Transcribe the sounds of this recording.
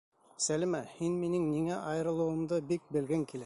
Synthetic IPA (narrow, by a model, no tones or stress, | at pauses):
sælɘmæhinminɘŋniŋæʔɑjɤ̆ɾɤ̆lˠŭwɤ̆md̪ɤbik̚bɘ̆lɡæŋkʲilæ